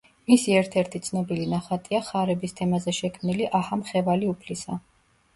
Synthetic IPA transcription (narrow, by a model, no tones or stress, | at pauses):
misiɛɾt̪ʰɛɾt̪ʰit̪sʰnɔbilinaχat̪ʼiaχaɾɛbist̪ʰɛmazɛʃɛkʰmniliʔahamχɛvaliupʰlisa